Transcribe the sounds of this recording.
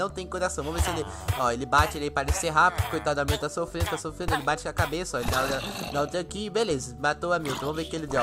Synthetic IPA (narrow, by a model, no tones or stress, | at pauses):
nɐ̃w̃t̪ẽj̃koɾasɐ̃w̃vɐ̃mʊvesɪelɪ | ɔelɪbat͡ʃɪeljpaɾɐẽseɦapkɪ̥kojt̪ad̪ʊamiut̪t̪asofɾẽd̪ʊt̪asofɾẽd̪ʊelɪbat͡ʃɪɐkabesɐɔelɪd̪ad̪ɐnɐ̃t̪ẽakibelezɐmat̪oamiwt̪ɐvɐ̃mʊveɾkɪelɪd̪e